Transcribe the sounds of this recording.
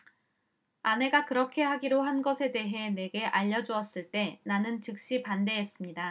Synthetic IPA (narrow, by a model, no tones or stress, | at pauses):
ane̞ɡakɯɾʌkʰe̞ɦaɡiɾoɦanɡʌsʰe̞de̞ɦe̞ne̞ɡe̞ʔaʎːʌd͡ʑuʌs͈ɯɭt͈e̞nanɯnt͡ɕɯk̚ɕ͈ipande̞ɦes͈ɯmɲida